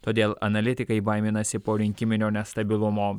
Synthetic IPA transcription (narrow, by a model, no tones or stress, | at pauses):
t̪oːd̪ʲeːlˠɐ̰nɐlʲɪt̪ʲɪkɐɪbɐɪmʲɪnɐsʲɪpoːɾʲɪŋʲkʲɪmʲɪnʲoːnʲɛst̪ɐbʲɪlˠʊmoː